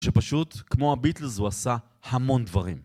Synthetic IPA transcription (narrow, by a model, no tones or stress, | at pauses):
ʃepaʃut̪kmo̞abit̪lzhuasa | hamo̞nd̪vaʁim